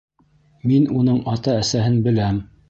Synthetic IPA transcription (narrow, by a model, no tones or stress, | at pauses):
minunɤɴɑt̪ɑæsæɦɘnbɘ̆læm